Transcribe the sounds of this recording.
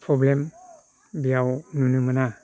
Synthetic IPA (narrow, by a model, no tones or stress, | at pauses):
pʰɾɔblem | bijawnunuməna